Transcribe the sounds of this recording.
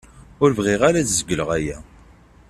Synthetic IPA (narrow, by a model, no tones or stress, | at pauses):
ʊɾvʁɪʁaɾædzəɡʷələʁæjæ